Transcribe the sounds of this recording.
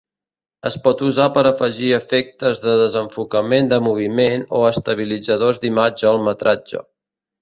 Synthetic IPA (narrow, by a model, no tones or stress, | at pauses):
ə̰spɔt̪uzapəɾəfəʒiəfɛk̚t̪əzðəðəzəɱfukəmend̪əmuβ̞imenoəst̪əβ̞ilid͡zəðozd̪imad͡ʒəːlˠmət̪ɾʔad͡ʒə̰